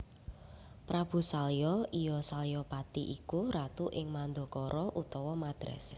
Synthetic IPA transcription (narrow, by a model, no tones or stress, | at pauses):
pɾab̥ṳsaljɔijɔsaljɔpat̪iʔikuɾat̪uʔɪŋmand̪o̤kɔɾʔɔʔut̪ɔwɔmad̪̥ɾɛ̰s